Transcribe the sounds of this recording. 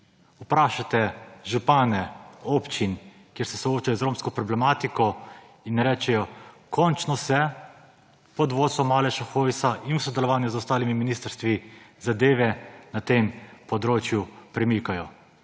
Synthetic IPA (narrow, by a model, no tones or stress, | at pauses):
upɾaːʃat̪ɛʒupaːnɛoːpt͡ʃin | kjeɾsɛsɔoːt͡ʃajɔzɾoːmskɔpɾɔblɛmaːt̪ikɔ | inːɾɛːt͡ʃɛjɔ | kʰɔnt͡ʃnɔsɛ | pɔd̪ʋoːsɔmalɛʃaxoːʋisaʔinusɔd̪ɛlɔʋaːnjazɔst̪aːlimiminiːst̪ɾst̪ʋizad̪eːʋɛnat̪empɔd̪ɾoːt͡ʃjupɾɛmikajɔ